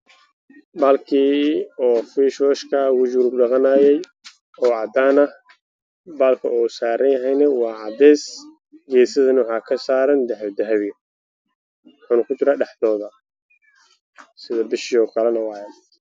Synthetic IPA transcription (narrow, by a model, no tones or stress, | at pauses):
baːlkʰiːɔːfiːʃɔʃkʰɐwʊd͡ʒuɾʊɡɖɑqɑnaːjɛj | ɔːʕɑd̪aːnɐ | baːlkʰɐɔːsaːɾɐnjɐɦɛjnɐwɑːʕɑd̪ɛːs | ɡɛːsɐðɐnɪwɑħɑːkʰɐsaːɾɐnd̪ɐħwɐd̪ɐɦɐβɪjɐ | wʊħaːnɐkʰʊt͡ʃɪɾaːɖɑħd̪ɔːðɐ | sɪðɐbɪʃɪɔːkʰɐlɛnɐwɑːjɛ